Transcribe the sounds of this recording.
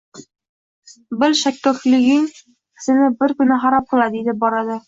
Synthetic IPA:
bɘlʃækːɘ̆flɘɡiŋ | ɘ̥̆sɘ̆nɘbɘɾkɵ̆næɦɑɾɑp̚qɤ̆lˠɑd̪id̪ɘp̚bɒɾɑd̪ɤ

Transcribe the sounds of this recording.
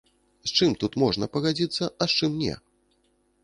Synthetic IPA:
st͡ʂɨmt̪ut̪mɔʐnɐpɐɣad͡zʲit̪sːɐɐst͡ʂɨmnʲɛ̰

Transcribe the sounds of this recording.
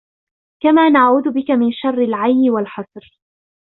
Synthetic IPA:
kamaːnaʕuːd̪ʊbɪkamɪnʃɑrˤːɪlʕajnːɪwalħɑsˤɾ

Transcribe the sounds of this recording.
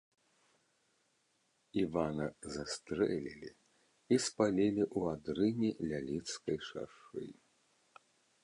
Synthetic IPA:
ivanɐzast̪ɾɛlʲilʲi | ispalʲilʲiʔuad̪ɾɨnʲilʲalʲit̪skɐjʂa̰ʂɨ̰

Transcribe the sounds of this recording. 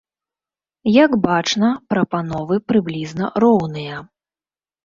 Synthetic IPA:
jaɡbat͡ʂnɐpɾɐpanɔvɨpɾɨblʲiznɐrɔwnɨjɐ

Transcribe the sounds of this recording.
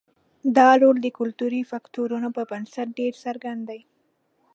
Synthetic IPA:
d̪ɑlold̪əkʊlt̪uɾifakt̪oɾunopəbənsat̪̚ɖeɾsaɾɡand̪aj

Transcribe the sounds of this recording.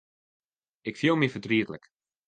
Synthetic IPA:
ɪkfjilˠmifədriətlək

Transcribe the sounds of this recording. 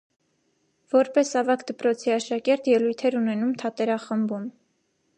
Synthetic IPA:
vɔɾpɛsɑvɑkd̪əpɾɔt͡sʰiɑʃɑkɛɾt̪jɛlujt̪ʰɛɾunɛnumt̪ʰɑt̪ɛɾɑχəmbum

